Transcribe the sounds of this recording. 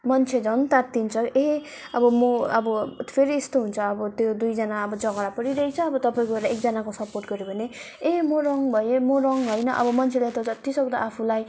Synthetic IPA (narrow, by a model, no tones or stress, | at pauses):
mʌnt͡sʰed͡zʌnt̪at̪ːint͡sʰʌeɦ | ʌbʌmoʌbʌpʰeɾiest̪oɦunt͡sʰʌːbʌt̪jod̪ujd͡zʌnaʌbʌd͡zʌɡʌɾapʌɾiɾʌɦit͡sʰʌːbʌt̪ʌpaĩkoʌɾaekd͡zʌnakosʌporʈɡʌɾjobʱʌne | eɦmoɾʌŋbʱʌjemoɾʌŋɦʌjnʌʔʌ̰bʌmʌnt͡sʰelʌt̪ʌd͡zʌt̪isʌɡd̪a̰ʔapʰulaj